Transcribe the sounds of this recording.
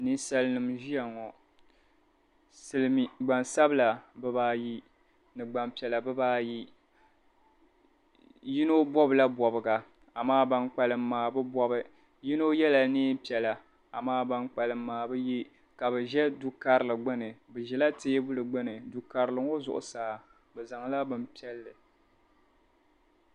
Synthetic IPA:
nɨ˦sa˦lɨ˦nɨ˨mʒi˦ja˨ŋɔ˨ | sɨ˦lɨ˦mi˨ɡ͡ba˨nsa˦bɨ˦la˨bɨ˦baː˦ji˦ | nɨ˨ɡ͡ba˨mpi˨ɛ˨la˨bɨ˦baː˦ji˦ | ji˦no˦bɔ˦bɨ˨la˦bɔ˨bɨ˨ɡa˨ | a˨maː˦ba˦nk͡pa˨lɨ˨mː˦aː˨bɨ˦bɔ˦bɨ˦ | ji˦no˦jɛ˦la˨niː˦pi˨ɛ˨la˨ | a˨maː˦ba˦ŋk͡pa˨lɨ˨m̩ː˦aː˨bɨ˦ji˦ | ka˨bɛ˨ʒɛ˦du˦ka˨ɾɨ˨lɨ˨ɡ͡bɨ˦nɨ˨bɨ˨ʒɛ˨la˦teː˦bʊ˦lɨ˨ɡ͡bɨ˦nɨ˨du˨ka˨ɾɨ˨lɨ˨ŋo˦zʊ˨ʔʊ̰˨saː˨˦ | bɛ˨za˨ŋ˦la˦bɨ˨m˦pi˦ɛ˦lːɨ˨

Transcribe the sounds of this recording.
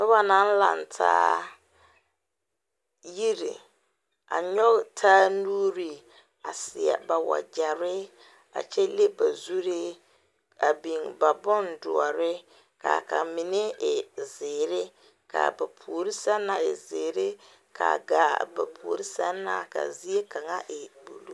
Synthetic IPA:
nɪ˦ba˨nã˨˦n̩˦la̰˨ntʰa̰ː˦ | ji˦ɾi˨ | a̰˨ɲɔ˦ɣtʰaː˦nuː˦ɾi˨ | a˨sɪ˨ɛ̰˨ba˨wa̰˨d͡ʒa˨ɾɪ˦ | a̰˨t͡ʃɛ˦le˦ba˨zu˦ɾi˦ | a˨bi˨ŋba˨bɔ˦ndʊ˨ɔ˨ɾɪ˦ | ka˨ka˨mɪ˨ne˦ɪ˨zɪː˨ɾɪ˦ | ka̰˨ba˨pʰu˨o˨ɾi˦sa˦na˨ɪ̰˨zɪː˨ɾɪ˦ | kʰa̰˨ɡaː˨ba˨pʰu˨o˨ɾi˦sa˦nːa˦˨ka̰˨zi˦e˦kʰa˨ŋa˦ʔɪ˨b̥u˨lu˦

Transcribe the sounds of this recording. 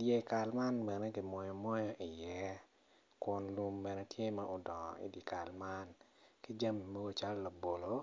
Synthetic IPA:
dje˨ka˨lma˦nbɛ˨nɛ˦ɡi˨mɔ˨jɔ˨mɔ˦jo˦ʔi˨jɛ˦ | kʊ˨nlu˦mbɛ˨nɛ˦tje˦ma˦ʔɔ˦dɔ˨ŋɔ̰˨ḭ˨di˨ka˨lma˦n | ki˦d͡ʒa˦mi˨mo˦ɡo˦t͡ʃa˦lla˨bo˨lo˦

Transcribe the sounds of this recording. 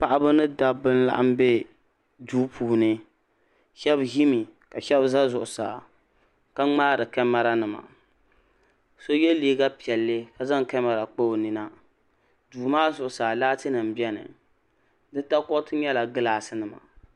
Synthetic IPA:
pa˦˨ʔa˦bɨ˦nɨ˦da˦bɨ˦nla̰˦ʔa̰˦m˦be˦ | duː˦pʰuː˨nɨ˦ | ʃɛ˦bɦi˦mi˨ka˨ʃɛ˦bza˦zʊ˨ʔʊ˨sa̰ː˨ | ka˦ŋ͡maː˦ɾɨ˨kɛ˦ma˦ɾa˦nɨ˨ma̰˨ | so˦jɛ˦liː˦ɡa˦pi˨ɛ˨lːɨ˦ka˨za˦ŋ˨kɛ˦ma˨ɾa˨k͡po˦o˨nɨ˨na˦ | duː˨maː˦zʊ˨ʔʊ˨saː˨laː˦tɨ˦nɨ˨m˨bjɛ˦nɨ̰˨ | dɨ˦ta˦kɔ˦tɨ˦ɲɛ˦la˨ɡɨ˦laː˨sɨ˦nɨ˨ma̰˨

